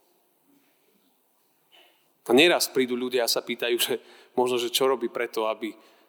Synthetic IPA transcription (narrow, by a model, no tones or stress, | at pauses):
aɲɛɾaspɾiːd̪uʎuɟɪaasapiːt̪ajuːʒɛ | mɔʒnɔʒɛt͡ʃɔɾɔbiːpɾɛt̪ɔabi